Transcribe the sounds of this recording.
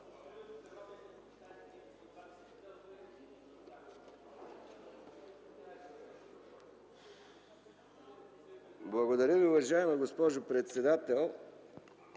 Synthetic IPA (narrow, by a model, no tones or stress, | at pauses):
blˠɐɡod̪ɐɾʲəviʊvɐʒaɛmɐɡospɔʒopɾɛt̪sɛd̪at̪ɛlˠ